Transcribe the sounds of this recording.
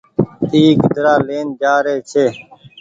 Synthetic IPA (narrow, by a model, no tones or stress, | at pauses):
iːkd̪əɾaːleːnd͡ʒaːɾeːt͡ʃʰeː